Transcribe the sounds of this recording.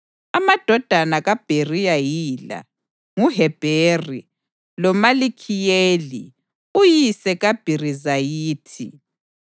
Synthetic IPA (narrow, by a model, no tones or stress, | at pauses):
amad̥ʱɔd̥ʱanaɣab̥ʱerijajila̰ | ŋuɦɛb̥ʱeri | lɔmalikʰijeːli | ujisɛɣab̥ʱirizajiːtʰḭ